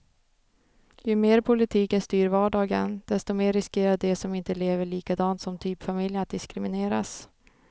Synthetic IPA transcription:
jɵmeːɾpʰʊlɪt̪ʰiːkənst̪yːɾvɑːɖɑːɡə̰nd̪̥ɛst̪ɔmeːɾːɪskeːɾad̪̚d̪ɛsɔmɪnt̪əleːvəɭiːkad̪ɑːnt̪sɔmt̪ʰyːpfamɪljənat̪̚d̪ɪskɾɪmɪneːɾa̰s

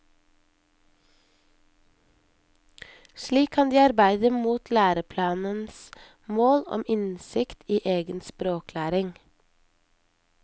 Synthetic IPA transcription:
ʃɭiːkʰɑnd̪iːɑɾbæɪd̪əmuːt̪ʰlæːɾəpʰlɑːnəns | moːlɔ̰mɪnsɪkt̪iːʔeːɡənspɾoːklæːɾɪŋ

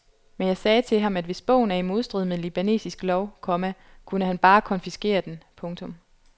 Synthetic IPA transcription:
menjɑ̈ɪsɛːt͡sʰe̝lɦɑ̈mæd̥ʋe̝sb̥ɔ̰̽ʊ̰n̩æe̝nmo̝ðˠsd̥ʁið̞̰ˠmelib̥æne̝̰ːsisɡ̥lɒʊkʰɒ̽mækʰunəhænb̥ɑ̈ːkʰɒ̽nfisɡ̥e̝̰ːɐd̥enpʰɔ̽ŋt͡sʰɔ̽m

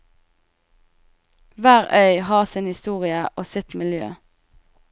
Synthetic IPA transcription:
ʋæːʁʔœʏhɑːʁsɪnhɪst̪uːʁɪəʔoːsɪt̪mɪljø̰ː

